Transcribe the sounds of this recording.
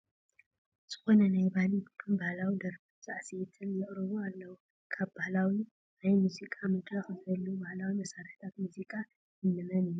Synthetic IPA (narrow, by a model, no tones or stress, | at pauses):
z̥ɨ̥xo̞nɐnajbahlikʰɨnbahlawid̪ɐɾfizʼaʕset̪ʰɨnjɛʔʼɾɐβualːɐwu | kʰaβbahlawi | najmuzikʼamɨd̪ɾaxɨzɨbɐlːubahlawimɐsaɾħt̪ʰat̪muzikʼa | jɨnːɨmɐnijːu